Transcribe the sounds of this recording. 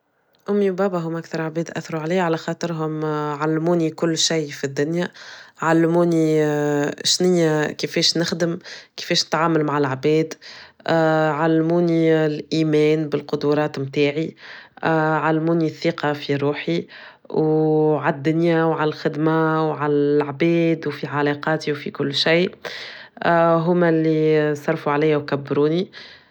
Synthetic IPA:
ʔʊmːiwbæːbaɦʊːmʔakθɑɾˤʕbɛːd̪ʔæθɾuʕaliːʕalæxɑːt̪ˤɨɾɦʊmʕalːmuːnikʊlːʃajfid̪ːʊnjaʕalːmuːni | ʃnɪjːakifɛːʃnɪxd̪əmkɪ̥fɛːʃnɪ̥t̪ʕaːmʊlmaʕalʕbɛːd̪ | ʕalːmuːnilʔiːmɛːnbɪlqʊd̪uɾˤɑːt̪mt̪aːʕi | ʕalːmuːniθːiːqɑfiɾuːħi | wʕad̪ːʊnjæwʕalælxɪd̪mawʕalælʕbɛːd̪wfiʕalɑːqɑːt̪iwfikʊlːʃiː | ɦʊmælːisˤɑrˤfuʕalɛːjæwkæbːɾuːni

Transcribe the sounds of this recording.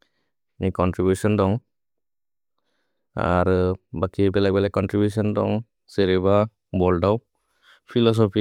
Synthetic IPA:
nikɔntɾibjusɔndɔŋ | a̰ɾbakibɛlakbɛlajkɔntɾibjusɔndɔ̰ŋ | seɾɛba | bɔldaw | pʰilɔs̬ɔpʰi

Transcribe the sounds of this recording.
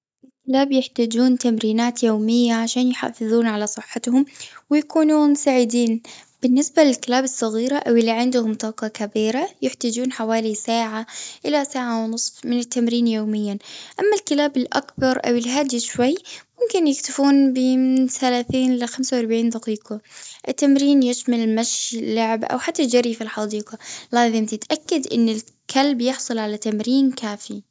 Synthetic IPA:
ʔɪlkɪlaːbjɪħt̪aːd͡ʒuːnt̪amɾiːnaːt̪joːmɪjːaʕaʃaːnjħa̰fɨðˤuːnʕalasˤɨħːɪt̪hʊmwɪjakuːnuːnsaːʕɪd̪iːnb̥ɪnːɪsbalɪlkɪlaːbɨsˤːɑɣiːɾaʔawʔɪlːiʕɪnd̪ʊhʊmt̪ˤɑːqɑkabiːɾajɪħt̪aːd͡ʒuːnħawaːlisaːʕaʔɪlasaːʕawnɨsˤfmɪnɪt̪ːamɾiːnjoːmɪjːanʔamːalkɪlaːbɪlʔa̰kbɑɾˤʔa̰wɪlɦaːd̪iʃwajːmʊmkɪnjɪkt̪afuːnbɪmɪɪnθalaːθiːnlɪxamsawʔɑɾˤbʕiːnd̪ɑqiːqɑʔɪt̪ːamɾiːnjɪʃmalmaʃlːʊʕbʔa̰wħat̪ːad͡ʒaɾifilħɑd̪iːqɑlaːzˤɪmt̪ɪt̪ʔakːad̪ʔɪ̰nːɪl | kʰalbjɪħsˤʊlʕalat̪amɾiːnkaːfi

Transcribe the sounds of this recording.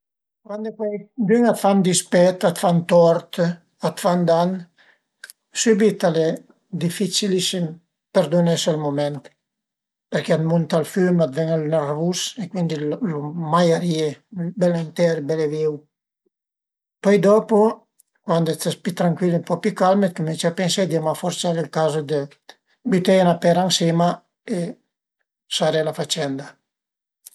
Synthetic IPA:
kwand̪opɛjd̪yŋat̪fand̪ispɛt̪at̪fant̪ɔɾt̪ | at̪fand̪an | sybit̪ale | d̪ifit͡ʃilisim | pɛɾd̪unɛsɔlmomɛnt̪ | pɛɾkɛat̪munt̪alfymat̪vɛŋalnaɾvusekwind̪illomajaɾjebɛlent̪ɛɾbɛleviw | pɔjd̪ɔpo | kwand̪ɛt̪aspit̪ɾaŋkwilempɔpykalmet̪̚komint͡ʃapɛnsed̪iamafɔɾt͡ʃalilkazod̪ə | byt̪enapɛɾaŋsema | e | saɾelafat͡ʃɛnd̪a

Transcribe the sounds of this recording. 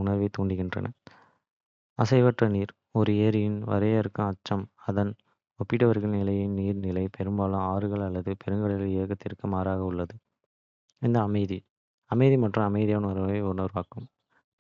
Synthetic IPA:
ʊɳɐɾʋɐɪt̪ːuːɳɖɪɣɪndrɐ̰nɐ̰ | ɐsɐɪʋɐʈrɐniːɾ | ɔɾɯɐɾɪjɪnʋɐ̰ɾeːɐɾɯkːɐ̃ɐt͡ʃːɐmɐðɐn | ɔpːɪʈːɐʋɐɾɣɐɭnɪlɐjɪnniːɾnɪlɐɪpʰɛɾɯmbaːlɯ̃aːɾɯɣɐɭɐlːɐðɯpʰɛɾɯŋɡɐɭɪleːɣɐt̪ːɪɾɯkːɯmaːɾaːɣɐʊɭːɐðɯ | ɪnd̪ɐːmɐɪði | ɐmɐɪðimɐʈrɯ̃ɐmɐɪðijaːnɐɾɐʋɐɪɔɾɯnɐɾʋaːkɯm

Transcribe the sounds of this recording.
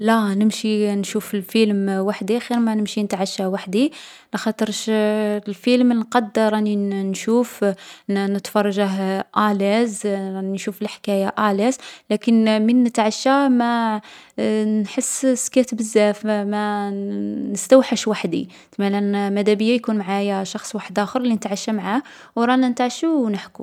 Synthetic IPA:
lænəmʃinʃufəlfilmwaħd̪ixiɾmænəmʃinət̪ʕaʃːawaħd̪i | lɑxɑt̪ˤəɾʃlfilmnqɑd̪ːəɾˤæninʃuf | nət̪fɑrˤːɑʒaɦʔælæzʃufəlħkæjaʔælæzlækənmənːət̪ʕaʃːamæ | nħəsːskæt̪əbəzːæfmæ | nəst̪æwħəʃwaħd̪ḭ | t̪mælænmæd̪æbəjːajkunmʕajaʃɑxsˤwaħəd̪ʔæxəɾˤlinət̪ʕaʃːamʕah | wɾˤɑnænət̪ʕaʃunəħkṵ

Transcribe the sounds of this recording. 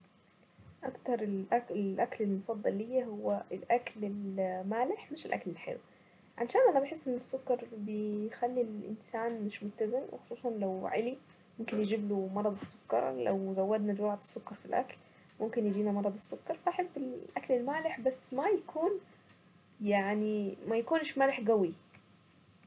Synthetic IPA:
ʔakt̪ɑɾˤɪlʔaɪʔaklɪlmʊfɑd̪ˤːɑlːijːahʊwːaɪlʔaklɪlmaːlɪħmɪʃɪlʔa̰klɪlħɪ̰lu | ʕaʃaːnʔanabaħɪsːʔɪnːɪsːʊkːɑɾˤbɪxalːilʔɪ̰nsaːnmɪʃmʊt̪ːazɪmwɪ̰xʊ̥sˤuːsˤɑnlawʕali | mʊmkɪnjɪd͡ʒɪblumɑɾˤɑd̪ˤɪsːʊ̥kːɑ̰ɾˤla̰wzawːad̪nad͡ʒwaʕd̪ˤɪ̥sːʊkːɑɾˤfilʔa̰kl | mʊmkɪnjɪd͡ʒiːnamɑɾˤɑd̪ˤɪsːʊkːɑɾˤfaħɪt̪ːɪlʔaklɪlmaːlɪħbasːmajakʰuːn | jaʕnimajakuːnʃmaːlɪħɡawi

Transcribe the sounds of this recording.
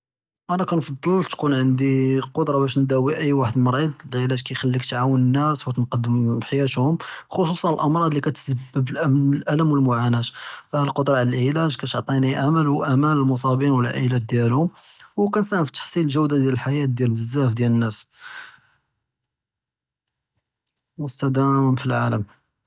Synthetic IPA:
ʔænækænfɑd̪ˤːəlt̪kunʕənd̪iqod̪ɾˤɑbæʃnd̪æwiʔəjːwaħəd̪mɑɾˤid̪ˤlʕilæʒkæjxælːikt̪ʕawənənːæswt̪ənqɑd̪ːəmħjæt̪hʊmxos̬ˤusˤɑnəlʔɑmɾˤɑd̪ˤlikæt̪əsəbːəblʔæmlʔæləmwəlmʊʕanæt̪lqod̪ɾˤɑʕləlʕilæʒkæt̪ʕt̪ˤiniʔaməlwʔæmænəlmʊs̬ˤɑbinwəlʕḭlæt̪̚d̪jælhʊmwkænsæhəmfi̥t̪ḁħsˤiləlʒəwd̪ad̪jæləlħajæt̪̚d̪jælbəzːæfd̪jælənːæs | wəst̪æd̪æmmfilʕaləm

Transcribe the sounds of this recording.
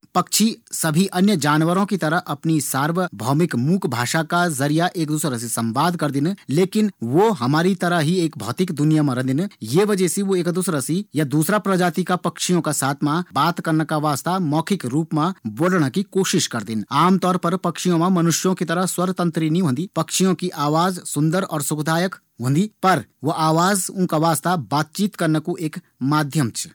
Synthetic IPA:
pɐkʃisɐbʱiʔɐnjəd͡ʒaːnʋəɾõkit̪ɐɾəɦʔɐpnisaːɾʋəbʱɔːmɪkmuːkʰbʱaːʃakazɐɾijaʔeːk̚d̪uːsɾəs̬isɐ̃mbaːd̪ʱkɐɾd̪ɪnleːkɪnʋoɦɐmaːɾit̪ɐɾəɦɦieːk̚bʱɔːt̪ɪkd̪ʊnijamãɾɐ̃d̪ɪnjeʋɐd͡ʒɛsiʋoeːkd̪ʊsɾəsijad̪uːsɾapɾɐd͡ʒaːt̪ikapɐkʃijõkasaːt̪ʰmãbaːt̪kɐɾnəkaʋaːst̪amɔːkʰɪkɾuːpmãboːɖɽ̃akikoːʃɪʃkɐɾd̪ɪnaːmt̪ɔːɾpɐɾpɐkʃijõmãmɐnʊʃjõkit̪ɐɾəswɐɾt̪ɐ̃nt̪ɾinĩɦõnd̪ipɐkʃʰijõkiʔaːʋaːzsʊ̃nd̪əɾɔːɾsʊkd̪ʱaːjək | ɦõːnd̪iːpɐɾʋoʔaːʋaːzʊ̃kaʋaːst̪abaːt̪̚t͡ʃiːt̪kɐɾnəkuʔeːk | maːd̪ʱjəmt͡ʃʰ

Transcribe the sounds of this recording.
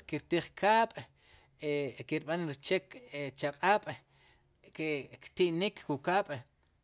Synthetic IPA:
kiɾt̪iːχkʰaːɓ̥ | ekiɾɓanɾit͡ʃeket͡ʃaqʼaːɓ̥ | kekt̪iʔnikʰkukaːɓ̥

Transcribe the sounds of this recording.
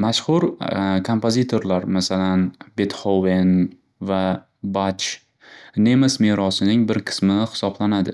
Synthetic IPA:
maʃhʊɾkʰompʰozit̪ʰo̞ɾlaɾmasalanbet̪χowen | va | bat͡ʃ | nemasmeɾɒsɪnɪŋbɪɾqʰɨ̥smɪhɪ̥sɒblanad̪ɪ̰

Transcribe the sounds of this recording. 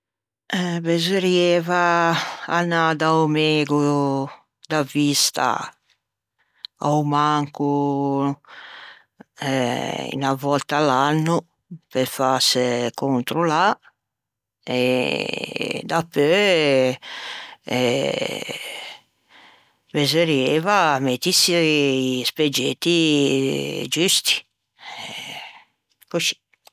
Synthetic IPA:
ɛbezuɾjeːvaː | nad̪awmeɡu | d̪avist̪a̰ | awmaŋku | ɛḭnavɔlt̪alanːu | pefaskunt̪ɾula | e | d̪apːø | ɛ | bezeɾjevamet̪isisped͡ʒet̪ːi | d͡ʒyst̪i̥ | kosi̥

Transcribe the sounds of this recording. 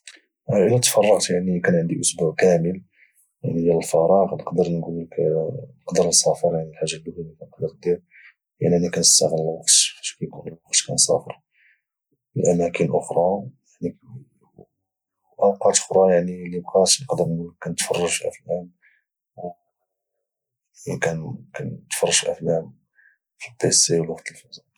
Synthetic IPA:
ʔəlæt̪fɑrˤːɑqt̪jaʕnikænʕənd̪iʔʊsbuʕkæməl | jaʕnid̪jæləlfɑɾˤɑɣnəqd̪əɾnɡulːəknəqd̪əɾnsæfəɾˤjaʕnilħaʒːalːhulikænəqd̪əɾd̪iɾ | ja̰ʕniænikænəst̪æɣələlwɑqt̪æʃkæjkunəlwɑqt̪kænsɑ̰fəɾˤ | məlʔæmækənʔʊxɾˤɑjaʕni | ʔɑwqɑt̪ə̥xɾˤɑjaʕnilibqæt̪nqd̪əɾkænt̪fɑrˤːɑʒʔæ̰fnæm | w | ikænkænt̪fɑrˤːɑʒʔæ̰fnæm | fibesiwlwɑqt̪əlfɑzɑ

